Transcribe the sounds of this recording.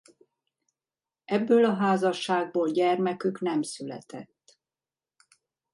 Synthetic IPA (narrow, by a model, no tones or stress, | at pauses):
ɛbːøːlɒɦaːzɒʃːaːɡ̚boːlɟɛrmɛkyknɛmsylɛ̰t̪ɛt̪ː